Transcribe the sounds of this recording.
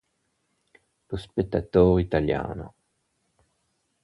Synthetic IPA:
lospek̚t̪ːat̪oːʁit̪alja̰ːno̰

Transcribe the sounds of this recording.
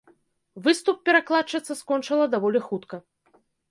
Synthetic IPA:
vɨst̪up̚ːʲɛɾaklˠat͡ʂɐt̪sːɐskɔnt͡ʂɨlˠɐd̪avɔlʲixut̪kɐ

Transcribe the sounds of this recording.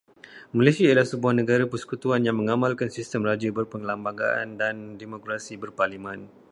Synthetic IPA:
malesiaiəlahsəbuahnə̃ɡaɾapərsə̥kut̪uanjaŋmə̃ŋamãlkansist̪əmrad͡ʒəbərpəŋlambaŋɡa̰ʔa̰ndandemokɾasibərparlimãn

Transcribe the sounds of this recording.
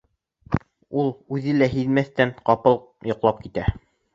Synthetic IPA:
ulˠʉðɘlæɦiðmæθt̪ænqɑpɤlˠ | jŏqlˠɑp̚kit̪æ

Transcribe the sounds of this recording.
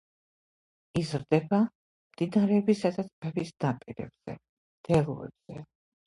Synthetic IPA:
izɾd̪ɛba | md̪̥inaɾɛɔbisad̪at̪sʰbɛbisnapʼiɾɛ̰b̥z̥ɛ̰ | d̪̥ɛluɛ̰bz̥ɛ

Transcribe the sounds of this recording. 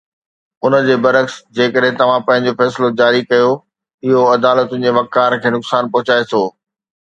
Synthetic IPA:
ʊnə̆d͡ʑeːbɐɾəksd͡ʑeːkəɗɦɪ̃t̪ɐʋ̤ãpɐ̃ɦɪ̃ɲ̆d͡ʑofɛːslod͡ʑaːɾikɐjo | ɪɦoɐd̪aːlət̪ʊ̃nɪ̆d͡ʑeʋɐkːaːɾkʰeːnʊksaːnpɐɦʊt͡ɕaːet̪ʰoː

